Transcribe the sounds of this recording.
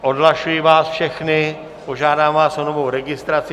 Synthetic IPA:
ʔodlaʃujivaːsfʃɛxnɪ | poʒaːdaːmvaːsonovowɾɛɡɪst̪ɾat͡sɪ

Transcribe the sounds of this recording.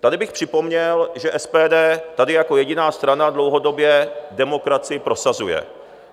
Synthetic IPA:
t̪adɪbɪxpr̥ɪpo̞mɲɛlʒɛʔɛspɛːdɛːt̪adɪjako̞jɛɟɪnaːst̪ɾanadlo̞wɦo̞do̞bjɛdɛmo̞kɾat͡sɪɪpɾo̞sazujɛ̰

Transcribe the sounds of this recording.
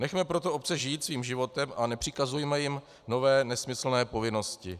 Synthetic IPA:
nɛxmɛpɾo̞t̪o̞ʔop̚t͡sɛʒɪjːt̪sviːmʒɪvo̞t̪ɛmʔanɛpr̥ɪkazujɛmɛjɪm | no̞vɛːnɛsmɪsl̩nɛːpo̞vɪno̞scɪ

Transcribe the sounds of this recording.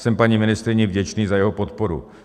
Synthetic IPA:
sɛmpaɲimɪnɪst̪ɾɪɲɪvɟɛt͡ʃniːzajɛɦopot̪poɾṵ

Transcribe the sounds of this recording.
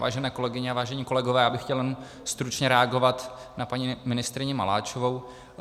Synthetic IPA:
va̰ːʒɛnɛːko̞lɛɡɪɲɛavaːʒɛɲiːko̞lɛɡovɛːjaːbɪxcɛljɛnu | st̪ɾut͡ʃɲɛɾɛaɡo̞vat̪napaɲimɪnɪst̪ɾɪɲɪma̰la̰ːt͡ʃovo̞w

